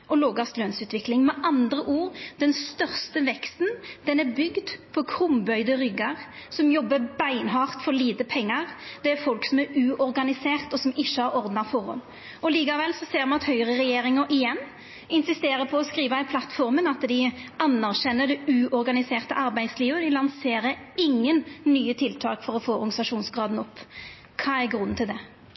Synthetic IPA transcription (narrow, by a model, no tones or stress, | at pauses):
ʔɔloːɡɑst̪løːnsʉːt̪ʋɪklɪŋmɛʔɑnd̪ɾəʔuːɾd̪̥ɛnst̪œʁst̪əʋɛkst̪nd̪̥ɛnæɾbʏɡd̪pʰɔkʰɾʊmbœʏd̪əɾʏɡɑʁsɔmjɔbːəbæɪnɦɑːʁt̪fɔɾliːt̪əpʰɛŋːɑʁd̪̥ɛæɾfɔlksɔmæɾʉːʔɔɾɡɑnɪseːʁt̪ɔsɔmɪʃːəhɑɾɔʁɾd̪nɑʁfɔɾɔ̰m | ɔliːkɑʋɛlsɔseːɾmɑnɑt̪hœʏʁəʁɛjeːɾɪŋəɾʔɪjɛnː | ɪnsɪst̪eːɾəpʰɔːskɾiːʋəɛɪnpʰlɑt̪ːfɔɾmənɑt̪d̪ɪɑnːæʁʃɛnːəɾd̪ɛʉːʔɔɾɡɑnɪseːʁt̪əʔɑɾbæɪd̪sliːʋəd̪ɪlɑnseːɾəɪŋːənːyːət̪ʰɪlt̪ʰɑːkfɔɾɔfoːɔɾɡɑnɪsɑʂuːnsɡɾɑːd̪n̩ɔpː | kʰɑːæɾɡɾʉnːn̩t̪ʰɪld̪ɛ